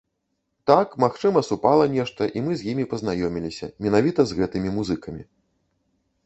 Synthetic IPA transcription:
t̪akmaxt͡ʂɨmɐsupalˠɐnʲɛʂt̪ɐʔimɨzʲjimʲipɐznajɔmʲilʲisʲɐ̰mʲɛnavʲit̪ɐzɣɛt̪ɨmʲimuzɨkɐmʲḭ

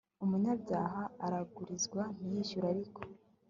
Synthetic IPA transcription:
umuɲabɟaːɦaːɾaɡuɾizɡwam̥ujiʃuɾaɾiko̥

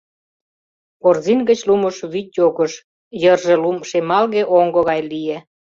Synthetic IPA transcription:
korzinɡə̆t͡ɕluməʃβyt̪̚ʲjoɣəʃ | jərʒĕlumʃemɑlɣeʔoŋɡŏɣɑjlije

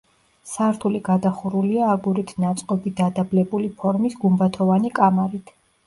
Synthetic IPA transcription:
saɾt̪ʰuliɡad̪aχuɾuliaːɡuɾit̪ʰnat̪sʼqʼɔbid̪ad̪ablɛbulipʰɔɾmisɡumbat̪ʰɔvanikʼamaɾit̪ʰ

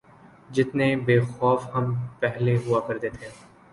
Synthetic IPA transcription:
d͡ʒɪt̪nebeːxɔːfɦɐmpɛɦleɦʊakɐɾd̪et̪ʰẽː

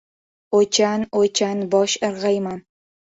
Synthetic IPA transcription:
ot͡ʃʰanot͡ʃʰanbɒʃɨɾʁɑjman

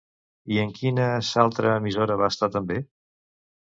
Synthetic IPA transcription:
iəŋkinəsalˠt̪ɾəːmizoɾəβaəst̪at̪əmbe

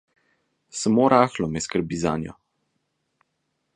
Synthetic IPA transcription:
samoːɾaːxlɔmɛskəɾbiːza̰ːnjɔ̰

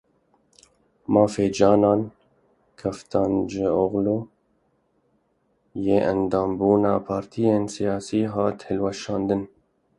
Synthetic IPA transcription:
mɑːfeːd͡ʒɑːnɑːn | kʰɛft̪ʰɑːnd͡ʒɪoɣloː | jeːʔɐnd̪ɑːmbuːnɑːpʰɑːɾt̪ʰijeːnsijɑːsiːɦɑːt̪hɪlwɛʃɑːnd̪ɨn

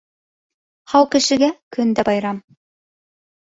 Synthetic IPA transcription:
χɑwˠkɘ̆ʃɘ̆ɡʲækʰɵnd̪æbɑjɾɑm

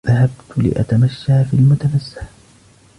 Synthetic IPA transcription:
ðahabt̪lɪ̰ʔa̰t̪amaʃːaːfilmʊt̪amasːḁħ

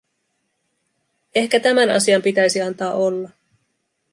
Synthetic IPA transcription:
e̞hkæt̪æmænɑ̰siɑmpit̪æjsiɑnt̪ɑːʔo̞lːɑ

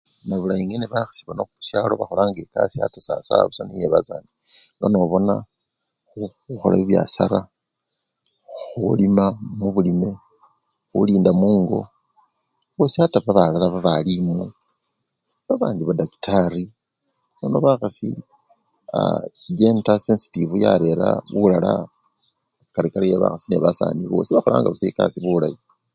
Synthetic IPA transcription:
naβulajiŋeneβaxḁsi̥βonoxuusjalo̞βaxo̞laŋɡeka̰sia̰tasa̰sa̰βusanijeβaza̰ni | ŋɡanoβo̞na̰ | xuuxo̞̰la̰βiβja̰sa̰ɾa | xulimamuβulime̞ | xuliːndamuːŋɡo̞̰ | βo̞siataβaβalalaβaβalimu | βaβaːndiβadaki̥taɾi | nono̞βaxasḭ | a̰ɡe̞ntasensi̥tivuja̰ɾe̞ɾa̰βulala̰ | kaɾikaɾijeβa̰xasine̞βasa̰ːniβo̞̰siβaxola̰ːŋɡaβuseka̰siβulaji

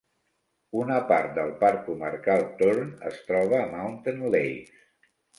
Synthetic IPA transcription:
unəpaɾt̪̚d̪əlˠpaɾkːuməɾkalˠt̪oɾnə̰st̪ɾɔβ̞əːmawnt̪ənlejs

